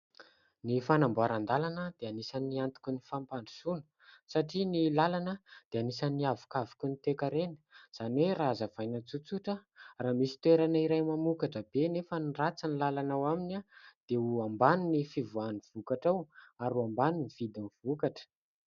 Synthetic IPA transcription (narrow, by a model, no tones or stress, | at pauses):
nifanamboaɾand̪alanəd̪̥eanisəniant̪u̥kʲunifampanɖ͡ʐu̥sunu̥ | saʈ͡ʂinilalanəd̪̥eanisəniavu̥kavu̥kʲunit̪ekaɾenə̥z̥aniweɾazəv̥ajnat͡sut͡suʈ͡ʂəraːmisi̥t̪weɾanəiɾajmamukaʈ͡ʂəbenefənirat͡sanlalanawaminad̪̥euambaninifivuaniv̥ukaʈ͡ʂawaɾuambaniniv̥id̪inivukaʈ͡ʂə̥